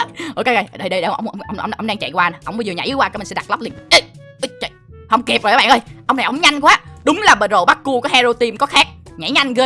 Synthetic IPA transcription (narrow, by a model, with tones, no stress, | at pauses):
ʔo˨˩ke˧˦jə˧jɗə˧jɗə˧ɗə˧˨˧ʔə̰˧wŋ͡mʔə˧wŋ͡mʔə˧wŋ͡mʔə˧wŋ͡mə˧wŋ͡mɗaː˧ŋt͡ɕa̰˧˨jkwaː˧n˨˩ʔə˧wŋ͡mɓə˨˦˩zi˨˩ɲa̰˧˩˦ʔɨ˨˦kwaː˧kːmə˨˩sɗa˨˩t̚lə˦˥p̚li˨˩nʔə˧˩j | ʔə˨˧˦t͡ɕːjhə˧wŋ͡mke˨˩p̚zoː˨˩˨ɓ̰ːʔəː˧jʔə˧wŋ͡mna˨˩jʔə˨˦wŋ͡mɲa˧jŋ̟kwaː˨˦ɗʊ˨˦ŋ͡mlaː˨˩ɓəː˨˩nzo˨˩ɓa˦˥t̚ku˧kɔ˨˦hɛ˧zo˧t̪i˧mkɔ˨˦xaː˦˥k̚ɲa̰˧˩˥jɲa˧jŋ̟ɣəː˧